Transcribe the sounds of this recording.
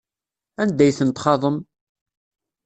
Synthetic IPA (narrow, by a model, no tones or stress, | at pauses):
ænd̪æjθənt̪χɑðˤəm